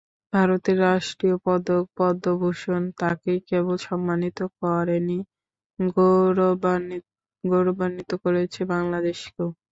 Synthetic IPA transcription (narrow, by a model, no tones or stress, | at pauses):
bʱaɾot̪eɾːaʃʈɾiopɔd̪ok̚pɔd̪ːobʱoʃont̪akekebolʃɔmːanit̪okɔɾeni | ɡoɾobanːit̪okoɾet͡ɕʰebaŋlad̪eʃke